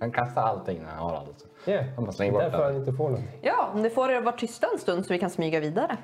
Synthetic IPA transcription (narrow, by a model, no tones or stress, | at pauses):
kankʰast̪aɾalt̪ʰɪŋːnæ̰ɾa̰nha̰ɾa̰ld̪ɪs | ɛhamaslɛŋːəbɔɾfɔɾhanɪnt̪əfoːnɔɡjɑːɔmd̪ɛfoːɾeːɾɔvaʈʰːʏst̪aɛnst̪ɵnd̪sɔvɪkʰansmyːɡaviːd̪aɾə